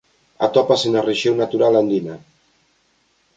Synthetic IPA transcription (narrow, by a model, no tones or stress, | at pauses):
a̰t̪ɔpasenareʃewnat̪uɾaland̪ina